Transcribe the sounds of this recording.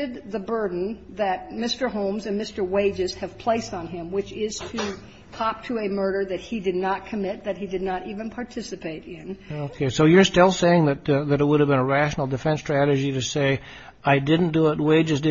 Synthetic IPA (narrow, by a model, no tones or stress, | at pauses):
ɨd̪̚ðɨbɜ˞dⁿn̩ðɨt̚mɪstə˞ɦõʊ̃mzɨ̃nmɪstə˞weɪd͡ʒɨz̥ɨv̥pʰl̥eɪstn̩ɪ̃mwɨt͡ʃɪz̥tʰɨ | kʰɑp̚tʰɨɨmɜ˞ɾə˞ðɨt̚hidɨdⁿnət̚kʰɨmɪt̪̚ðɨt̚hidɨdⁿnəɾivɨ̃npʰɑɹtʰɪsɨpʰeɪɾɪ̃noʊkʰeɪsoʊjə˞stɪlˠseɪɪ̃ŋðɨt̪̚ðɨɾət̚wʊɾɨvbɨ̃nəɹæʃn̩l̩ˠdɨfɛ̃nstɹ̥æɾɨd͡ʒiɾɨseɪ | aɪdɪdⁿn̩d̥əɪt̚weɪd͡ʒɨzdɨ